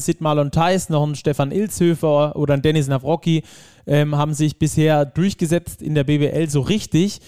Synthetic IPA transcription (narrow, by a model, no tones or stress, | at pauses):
sɪtmalʊntʰaɪsnɔχn̩ʃtɛfanʔɪlt͡shøːfɐʔoːɾɐndɛnɪs̬navʁɔki | ʔɛːmhaːbm̩zɪçb̥ɪsheːɐd̥ʊɐçɡ̥əzɛt͡stɪ̰ndeːɐbeːveʔɛlzoːʁɪçtɪç